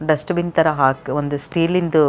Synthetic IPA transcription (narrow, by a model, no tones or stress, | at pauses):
ɖɐsʈɐbint̪ɐɾɐɦaːkond̪usʈiːlind̪u